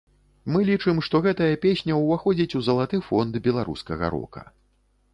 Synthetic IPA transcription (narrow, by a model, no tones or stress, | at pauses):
mɨlʲit͡ʂɨmʂt̪ɔɣɛt̪ɐjɐpʲesʲnʲɐwvaxɔd͡zʲit͡sʲuzɐlˠat̪ɨfɔnd̪bʲɛlˠaɾṵskɐɣɐ̰ɾɔ̰kɐ̰